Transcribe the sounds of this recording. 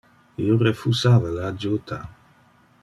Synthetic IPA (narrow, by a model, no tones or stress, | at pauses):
iorefusaːvalaːd͡ʒot̪ʰa